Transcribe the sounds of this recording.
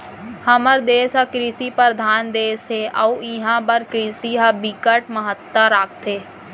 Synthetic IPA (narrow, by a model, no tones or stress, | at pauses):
həməɾd̪eːsakɾiːsipəɾd̪ʱaːnd̪eːsɦeʔəuiɦãbəɾkɾiːsiɦabikəʈ̚məɦət̪ːəɾaːk̚t̪ʰeː